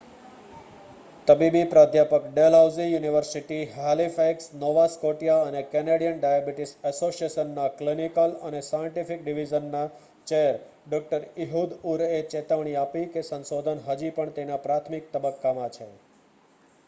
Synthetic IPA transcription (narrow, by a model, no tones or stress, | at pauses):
t̪əbibipɾad̪ʱjapəkɖelɦawzijuniʋəɾsiʈiɦalifeksnoʋaskoʈjaənekɛneɽijənɖajabiʈisəsosieʃənːaklinikələnesajəɳʈifikɖiʋid͡ʒənːa | t͡ʃeəɾ | ɖɔk̚ʈəɾiɦud̪uɾet͡ʃet̪əʋɳ̃iapikesə̃nsod̪ʱənɦəd͡ʒipəɳt̪enapɾat̪ʰmik̚t̪əbəkːamãt͡ʃʰḛ